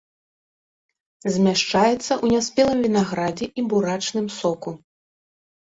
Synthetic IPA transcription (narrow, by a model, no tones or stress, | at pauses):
zʲmʲaʂt͡ʂajɛt̪sːɐʔunʲasʲpʲɛlˠɨmvʲinaɣɾad͡zʲɛʔibuɾat͡ʂnɨmsɔku